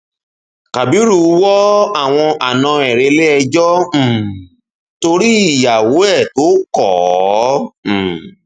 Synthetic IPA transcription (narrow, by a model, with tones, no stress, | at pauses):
ka˨bi˨˦ɾu˦˧˦wɔ˦a˦˨w̃ɔ̃˧a˨nã˧ɛ˨ɾe˧le˦ɛ˧d͡ʒɔ̃˦˨ | to˧ɾi˦i˦˨ja˨wo˨˦ɛ˦˨to˨˦kɔ˦˨˦